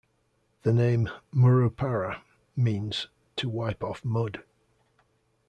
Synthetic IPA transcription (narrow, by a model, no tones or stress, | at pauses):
ðənẽɪ̃mːəɹoʊpʰaɹə | mĩːnz̥ | tʰəwaɪpɒfmʊd̥